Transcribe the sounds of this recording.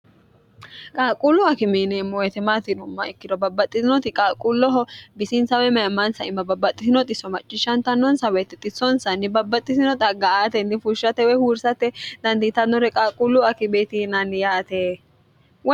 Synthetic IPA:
kʼaːkʼulːʊɐkɪmeːnemːɔjɛt̪ɛmaːt̪ɪnʊmːɐ̰ɛkːɪd̪ɔbɐbːɐt̪ʼːɪzɪnɔt̪ɪkʼaːkʼulːɔɦɔbɪsɪnsɐwɛmɐjɐmːɐnsɐɪmːɐbɐbːɐt̪ʼːɪsɪnɔt̪ʼɪsɔmɐt͡ʃʼːɪʃɐnt̪ɐnːɔnsɐweːt̪ːɛt̪ʼːɪsːɔnsɐnːɪbɐbːɐt̪ʼːɪsɪnɔt̪ʼɐɡɐaːt̪ɛnːɪfʊʃːɐt̪ːɛwɔjhuːɾsɐt̪ɛd̪̥ɐnd̪it̪ɐnːɔɾɛkʼaːkʼulːʊɐkɪbeːt̪inɐnjaːt̪eː | w

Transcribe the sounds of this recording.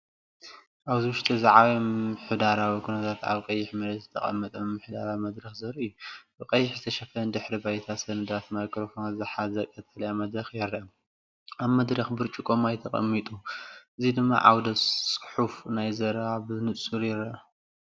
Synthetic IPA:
ʔaβzɨwʊʃt̪ʰʼizaʕawiɨħud̪aɾawikʰunɐt̪ʰat̪a̰βqʼɐjːɪħmɐlɐt̪zɨt̪ʰɐkʼɐ̰mːɐt̪ʼɐmmɨħd̪aɾawimɐd̪ɾɐxzɐɾɨjːubɨkʼɐjːɪħzɨt̪ʰɐʃɐfɐɐnd̪ɨħɾibajt̪ʰasɐnɨd̪at̪makʰɾofonazɨħazɐkʼːɐt̪ʰʼɐlɐjamɐd̪ɾɐxjɛɾɐɐ | aβmɐd̪ɾɐxbɨɾt͡ʃʼukʼomajt̪ʰɐqʼɐ̰mːit̪ʼuʔɨzid̪ɨmːa̰ʕawd̪ɐtsʼɨ̥ħufnajzɐɾaβɨnɨt͡sʼuɾjɪɾɐʔɐ

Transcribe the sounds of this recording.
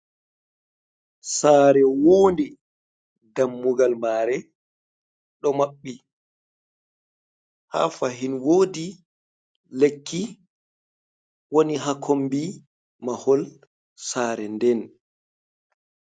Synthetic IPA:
saːɾɛwoːndi | damːuɡalmaːɾɛ | ɗɔmaɓːi | ha̰faɦinwoːdi | lekʰːi | woniɦakʰombi | mahɔl | saːɾɛndɛn

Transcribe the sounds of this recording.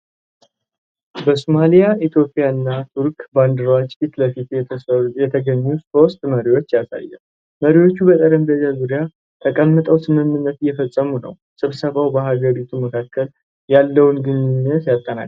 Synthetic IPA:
bəsumalijait̪ʰjo̞pʼɪjaɨnːat̪ʰuɾkband̪ɾwat͡ʃːfit̪ləfit̪jɛt̪ʰəɡəɲːuso̞st̪məɾiwo̞t͡ʃːjasa̰jːɛ̰l | məɾiwo̞t͡ʃːubət̪ʼəɾəmb̪əzazuɾija | t̪ʰəkʼəmːɨt̪ʼəwsɨmɨmːɨnːət̪ɨjːɛfəsʼːəmunə̰w | sɨβsəβawbəhaɡəɾit̪ʰuməkʰakʰːəl | jalːəwnɡɨɲːunːət̪jat̪ʼːəna̰

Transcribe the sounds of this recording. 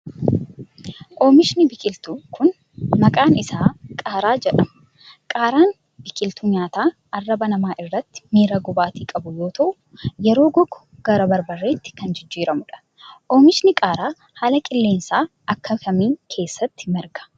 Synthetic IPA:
ʔoːmɪʃnɪbɪkʼɪlt̪ukʊn | mɐkʼaːnɪsaːkʼaːɾaːd͡ʒɛᶑɐmɐ | kʼaːɾaːn | b̥ɪkʼɪlt̪uɲaːt̪aːʔɐrːɐbɐnɐmaːʔɪrːɐt̪ːɪ̥miːɾɐɡʊbaːt̪iːkʼɐbʊjo̞ːt̪ʰɐʔʊ | jɛɾo̞ːɡɔɡʊ̥ɡ̥ɐɾɐbɐɾbɐrːe̞ːt̪ːɪ̥kɐnd͡ʒɪd͡ʒːiːɾɐmʊᶑɐ̥ | ʔoːmɪʃnɪkʼaːɾaː | haːlɐkʼɪlːe̞ːnsaː | ʔɐkːɐfɐmiːŋkʰe̞ːsːɐt̪ːɪ̥mɛɾɡɐ̥

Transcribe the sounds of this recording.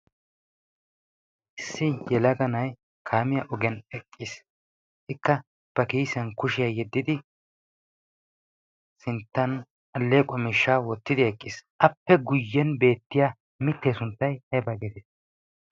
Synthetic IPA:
ʔɪsːɪjɛlɐɡɐnɐj | kʰaːmɪjɐʔɔɡɛnɛkʼːis | ʔɪkːɐ | b̥ɐkiːsɐnkʊʃɪjɐjɛd̪ːɪd̪ɪ | sɪnt̪ːɐn | ɐlːeːkʼɔmɪʃːaːwɔt̪ːɪd̪ɪɛkʼːɪsʔɐpːɛɡʊjːɛnbe̞ːt̪ːɪjaː | mɪt̪ːeːsʊnt̪ːɐjhɐbɐɡɛd̪e

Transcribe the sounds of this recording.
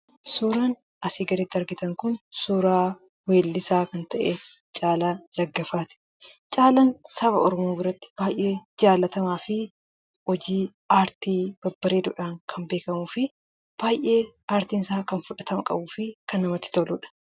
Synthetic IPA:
suːɾan | ɐsiːɡɐɾɛt̪ːɪɐɾɡɪt̪ɐŋkʊnsuːɾaː | weːlːɪsaːkɐnt̪ɐʔe | t͡ʃʼaːlaːlɐɡːɐfaːt̪ɪ̥ | t͡ʃʼaːlɐnsɐbɐɔɾɔmoːbɪɾɐt̪ːɪ̥b̥aːjʔːe̞ːd͡ʒaːlɐt̪ɐmaːfɪ | hɔd͡ʒiː | aːɾt̪iːb̥ɐbːɐɾeːd̪ʊᶑaːŋkʰɐnbeːkɐmuːfɪ | b̥aːjʔe̞ːaːɾt̪iːnɪsaːkɐnfʊᶑɐt̪ʰɐmɐkʼɐ̰buːfɪkɐnːɐmɐt̪ːɪ̥t̪ɔlʊːᶑɐ̥

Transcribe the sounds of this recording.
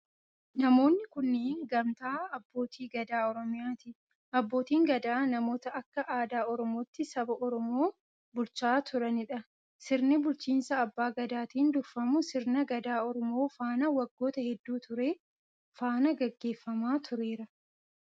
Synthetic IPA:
nɐmo̞ːnːɪkʊnːeːnɡɐmt̪aːɐbːo̞ːt̪ʰiːɡɐd̪aːɔɾɔmɪjaːt̪ɪ | ɐbːo̞ːt̪iːŋɡɐd̪aːnɐmo̞ːt̪ɐʔɐkːɐʔaːd̪aːɔɾɔmo̞ːt̪ːɪsɐbɐʔɔɾɔmo̞ː | bʊlt͡ʃaːt̪ʊɾɐnɪᶑɐ | sɪɾnɪbʊlt͡ʃiːnsɐːbːaːɡɐd̪aːt̪iːnd̪ʊfːɐmʊsɪɾnɐɡɐd̪aːɔɾɔmo̞ːfaːnɐwɐɡːo̞ːt̪ɐhɛd̪ːuːt̪ʊɾe̞ː | faːnɐɡɛɡːe̞ːfːɐmaːt̪ʰʊɾeːɾɐ

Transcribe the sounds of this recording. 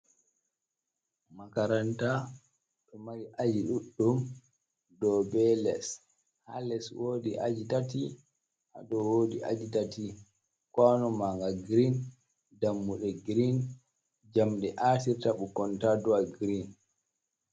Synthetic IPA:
makaɾanta | ɗɔmaɾiʔad͡ʒiɗuɗːum | dɔbɛlɛs | ha̰lɛswoːdiʔa̰d͡ʒitati | ʔa̰dɔwoːdḭʔa̰d͡ʒitati | kwanɔmaŋɡaɡɾin | damːuɗɛɡɾin | d͡ʒamɗɛʔatiɾtaɓukɔntadɔaɡɾin

